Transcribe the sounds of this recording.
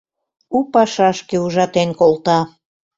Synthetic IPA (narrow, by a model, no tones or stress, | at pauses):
upɑʃɑʃkeuʒɑt̪enkolt̪ɑ